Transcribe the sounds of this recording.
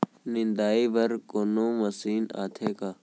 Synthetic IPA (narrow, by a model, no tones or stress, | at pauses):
nɪnd̪aːiːbɐɾkonõːmɐsiːna̰ːt̪ʰeːkaː